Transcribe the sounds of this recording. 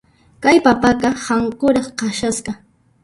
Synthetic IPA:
kajpapaqɑhɑɴqʊɾɑχqɑʃasqɑ

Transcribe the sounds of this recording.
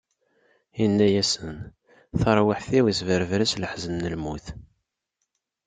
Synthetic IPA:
inːæjæsən | θəɾˤwəħθiwisvəɾəvɾæsləħzənːəlmuθ

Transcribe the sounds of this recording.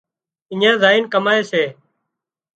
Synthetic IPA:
ɪɲãːzaːiːnkəmaːeːseː

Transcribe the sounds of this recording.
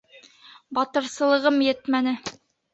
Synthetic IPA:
bɒt̪ɤ̆ɾsɤ̆lˠɤ̆ʁɤmjɘt̪mænɘ

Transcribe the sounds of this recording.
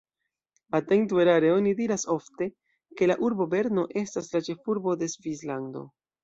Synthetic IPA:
ateŋtueɾaɾeo̞nidiɾaso̞fte̞ | ke̞laʔuɾbo̞be̞ɾno̞ʔe̞staslat͡ʃe̞fuɾbo̞de̞svislando̞̰

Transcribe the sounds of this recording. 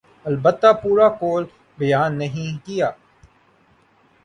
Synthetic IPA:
ɐlbət̪ːapuːɾakoːl | bɐjaːnːɐɦĩkijaː

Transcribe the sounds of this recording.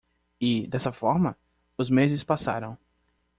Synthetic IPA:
ɪd̪ɛsɐfɔɾmɐ | ʊzmezɪspasa̰ɾɐ̃w̃

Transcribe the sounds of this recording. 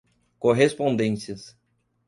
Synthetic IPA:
koɦespõnd̪ẽsiɐs

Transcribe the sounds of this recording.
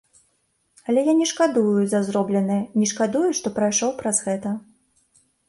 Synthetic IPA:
ɐlʲɛjanʲɛʂkad̪ujuzɐzɾɔblʲɛnɨjɛnʲɛʂkad̪ujuʂt̪ɔpɾajʂɔwpɾɐzɣɛt̪ɐ

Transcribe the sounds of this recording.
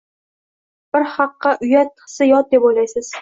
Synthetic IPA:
b̥ɪɾhɑqːɑʔʊjat̪ːʰɨ̥sɪjɒt̪̚d̪epojlajsɪz̥

